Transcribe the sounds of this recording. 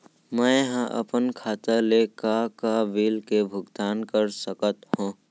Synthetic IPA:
mɛ̃jɦãʔə̰pənkʰaːt̪əlekakaʋiːlkebʱʊɡt̪aːnkəɾsəkət̪hũː

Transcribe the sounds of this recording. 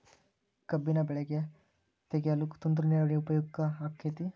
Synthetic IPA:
kɐbinɐbɛɭɛɡe | t̪eɡeɐlukt̪und̪ɾuneɾɐɽiupɐjuɡkɐːkʰːet̪i

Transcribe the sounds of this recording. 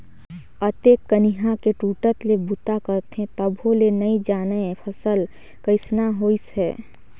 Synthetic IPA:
ət̪eːkːənɪɦãkeʈuːʈət̪lebut̪akəɾt̪eɦɛ̃t̪əbʱɦolenɐid͡ʒaːnəpʰəsəl | kəɪsnaɦoːisɦɛː

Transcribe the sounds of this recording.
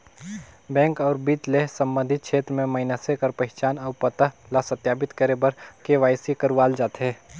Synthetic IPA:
bɛ̃ːŋkɔːɾbit̪lesə̃mbə̃nd̪ʱɪt̪̚kʃʰeːt̪ɾəmẽmɐɪnasekəɾpəɦɪt͡ʃaːnɐʊpət̪əɦlasət̪jaːbɪt̪kəɾebəɾkeʋaːjsikəɾʋaːld͡ʒaːt̪ɦɛ̃ː

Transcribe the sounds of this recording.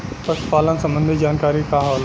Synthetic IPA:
pɐspaːlənsɐ̃mbə̃nd̪ʱid͡ʒaːnkaːɾikaɦoːl

